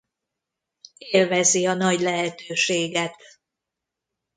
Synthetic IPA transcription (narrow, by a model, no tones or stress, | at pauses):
eːlvɛziɒnɒɟlɛɦɛt̪ʰøːʃeːɡɛt̪